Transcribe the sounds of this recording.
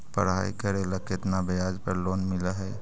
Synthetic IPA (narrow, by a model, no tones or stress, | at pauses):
pə̰ɾɦa̰ikəɾeləket̪nabejad͡ʒpəɾlonmɪləɦɛ